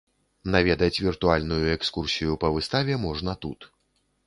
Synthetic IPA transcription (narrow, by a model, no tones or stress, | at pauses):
navʲɛd̪ɐt͡sʲvʲirt̪ualʲnujuɛkskursʲijupɐvɨst̪avʲɛmɔʐnɐt̪ut̪